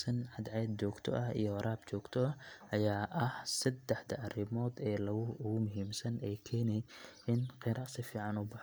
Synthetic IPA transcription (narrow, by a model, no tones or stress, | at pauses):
sɐnʕɑd̪ʕɛːd̪t͡ʃɔːɡt̪ʰɔ̰ʔɐɦḭjɔwɐɾaːb̚t͡ʃɔːɡt̪ʰɔɐɐjaːʔɐhsɐd̪ɛħd̪ɐʔɐrɪmɔːd̪ɛːlɐɣʊɣʊmʊɦiːmsɐnɛːjkʰɛːnɛjɪnqɪɾɑsɪfiːʕɑnʊbɑħ